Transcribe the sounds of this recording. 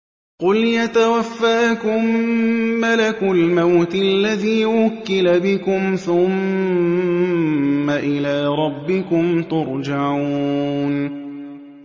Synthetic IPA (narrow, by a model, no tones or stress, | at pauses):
qʊljat̪awafːaːkʊmː | alakʊlmawt̪lːaðiːwʊkːɪlabɪkʊmθʊm | aʔɪlaːɾˤɑbːɪkʊmt̪ʊɾˤd͡ʒaʕuuːn